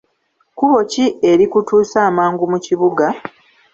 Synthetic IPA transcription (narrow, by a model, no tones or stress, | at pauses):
kuβo̞cie̞ɾikutuːsaːmaːŋɡumuciβuɡa